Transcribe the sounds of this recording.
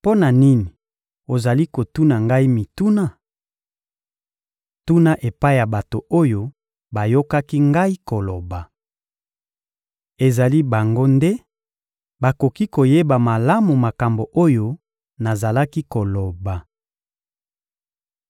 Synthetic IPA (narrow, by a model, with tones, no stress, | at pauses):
po˦na˨ni˦ni˨ | o˨za˨li˦ko˨tu˦na˨ŋɡa˦i˦mi˨tu˦na˦˨ | tu˦na˦ʔe˨pa˦i˦ja˨ba˨to˨o˦jo˦ | ba˨jo˦ka˦ki˦ŋɡa˦i˦ko˨lo˨ba˨ | e˨za˨li˦ba˨ŋɡo˦nde˦ | ba˨ko˨ki˦ko˨je˦ba˨ma˨la˦mu˨ma˨ka˨mbo˨ʔo˦jo˦ | na˨za˨la˦ki˦ko˨lo˨ba˨